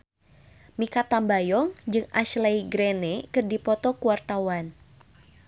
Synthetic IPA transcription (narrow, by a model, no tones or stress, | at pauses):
mikat̪ambajɔŋd͡ʒɨŋaʃlajɡɾenɛkɨrdipɔt̪ɔkuwart̪awan